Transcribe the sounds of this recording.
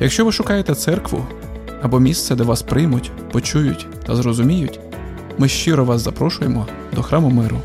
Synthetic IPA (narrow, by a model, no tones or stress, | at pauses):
jɐkʃt͡ʃɔʋɪʃʊkɑjet̪ɛt̪sɛrkʋʊ̰ | ɐbɔmʲist̪sɛd̪ɛʋɑspɾɪjmʊtʲ | pɔt͡ʃujʊtʲ | t̪ɐzɾɔzʊmʲijʊtʲ | mɪʃt͡ʃɪɾɔʋɑszɐpɾɔʃʊjemɔ | d̪ɔxɾɑmʊmɪɾʊ